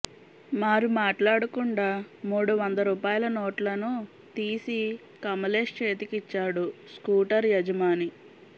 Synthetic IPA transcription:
maːɾumaːʈlaːɽukuɳɖaːmuːɽuʋɐnd̪ɐɾuːpaːjɐlɐnoːʈlɐnu | t̪iːsi | kɐmɐleːʂt͡ʃeːt̪ikit͡ʃːaːɽuskuːʈɐɾjɐd͡ʒɐmaːni

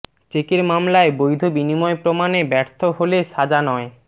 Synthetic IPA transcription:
t͡ɕekeɾmamlaebojd̪ʱobinimɔepɾomanebɛɾt̪ʰoɦoleʃad͡ʑanɔe

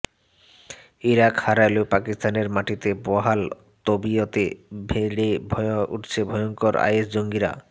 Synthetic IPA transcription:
iɾakhaɾajlopakist̪aneɾmaʈit̪ebɔɦal | t̪obiot̪ebʱeɽebʱɔṵʈt͡ɕʰebʱɔjoŋkoɾa̰jesd͡ʑoŋɡiɾa̰

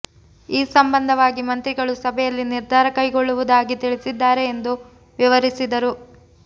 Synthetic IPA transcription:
iːsɐmbɐnd̪ʱɐʋaːɡimɐnt̪ɾiɡɐɭusɐbʱɛjɐlːiniɾd̪ʱaːɾɐkɐjɡoɭːuʋud̪aːɡit̪iɭisid̪ːaːɾe̞ːnd̪u | ʋiʋɐɾisid̪ɐɾu

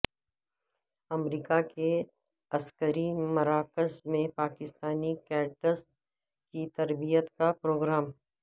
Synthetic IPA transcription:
ɐmɾiːkake | ɐskəɾimɐɾaːkəzmẽpaːkɪst̪aːnikɛːɾʈəs | kit̪ɐɾbijət̪kapɾoːɡɾaːm

